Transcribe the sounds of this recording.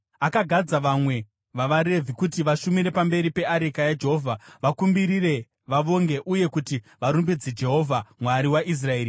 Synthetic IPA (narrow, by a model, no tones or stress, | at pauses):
akaɡʱad͡zaʋamwe̞ | ʋaʋaɾe̞vʱikutiʋaʃumiɾe̞pambe̞ɾipe̞aɾekajad͡ʒeɦovʱaʋakumbiɾire̞ | ʋaʋo̞ŋɡe̞ʔuje̞kuti | ʋaɾumbid͡zid͡ʒe̞ɦo̞vʱamwaɾiwaʔis̬raeːɾi